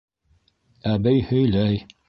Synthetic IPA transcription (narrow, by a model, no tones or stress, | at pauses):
æbɘjhɵ̆jlæj